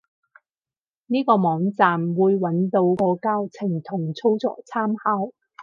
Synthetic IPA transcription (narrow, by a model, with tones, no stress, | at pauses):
niː˥kɔː˧mɔː˨˥ŋt͡saː˨mwuː˨˧jwɐ˨˥nt̪o˧wkɔː˧kaː˥wt͡sʰɪ˨˩ŋt̪ʰʊ˨˩ŋt͡sʰo˥wt͡sɔ̰ː˨˥t͡sʰaː˥mhaː˥w